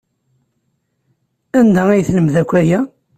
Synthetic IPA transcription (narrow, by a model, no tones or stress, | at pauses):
ænd̪æijθləmðækʷːæjæ